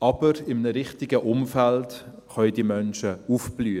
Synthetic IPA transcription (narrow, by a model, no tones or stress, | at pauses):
ɑb̥əɾɪmnəɾɪχtɪɡəʔʊmfælt | χœʏdimœnʃəufb̥lyː